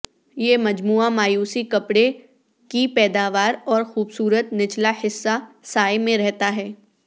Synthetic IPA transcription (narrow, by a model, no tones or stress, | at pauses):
jeːmɐd͡ʒmuːamaːjuːsikɐpɽe | kipɛːd̪aːʋaːɾɔːɾxuːbsuːɾət̪nɪt͡ʃlahɪsːasaːjmẽɾɛɦt̪aɦɛː